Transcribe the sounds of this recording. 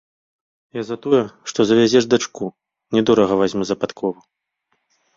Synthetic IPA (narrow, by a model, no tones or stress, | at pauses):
jazɐt̪ɔjɛʂt̪ɔzɐvʲazʲɛʐd̪at͡ʂku | nʲɛd̪ɔɾɐɣɐvazʲmuzɐpat̪kʰɔvɐ